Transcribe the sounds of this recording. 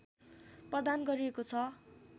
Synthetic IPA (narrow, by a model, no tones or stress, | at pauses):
prʌd̪anɡʌɾiekot͡sʰʌ